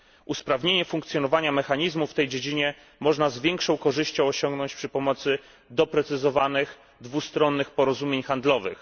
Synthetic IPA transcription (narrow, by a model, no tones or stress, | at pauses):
ʔuspɾavɲeɲɛfuŋk̚t̪sʲjɔnɔvaɲamɛxaɲizmuft̪ɛjd͡ʑed͡ʑiɲɛ | mɔʐnazvʲjɛŋkʂɔ̃w̃kɔʐɘɕt͡ɕɔ̃w̃ɔɕɔŋɡnɔɲt͡ɕpʂɘpɔmɔt̪sɘ | d̪ɔpɾɛt̪sɘzɔvanɘx | d̪vust̪ɾɔnːɘxpɔɾɔzumʲjeɲxand̪lɔvɘ̰x